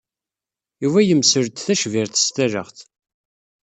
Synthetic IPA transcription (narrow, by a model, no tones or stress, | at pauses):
juvæjəmsəɾt̪θæʃviɾθst̪æɾə̰χθ